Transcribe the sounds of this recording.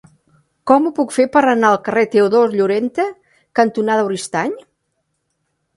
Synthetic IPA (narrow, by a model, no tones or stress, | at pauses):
kɔmupukfepəɾənaəlˠkəret̪euðozʎuɾent̪e | kənt̪unaðəwɾist̪aɲ